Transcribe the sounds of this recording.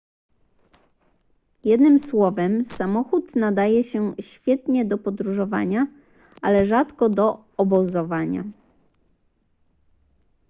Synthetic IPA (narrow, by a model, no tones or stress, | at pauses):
jɛd̪nɘmswɔvɛmsamɔxut̪nad̪ajɛɕɛɕfʲjɛt̪ɲɛd̪ɔpɔd̪ɾuʐɔva̰ɲa | ʔalɛʐat̪kɔd̪ɔː | bɔzɔvaɲa̰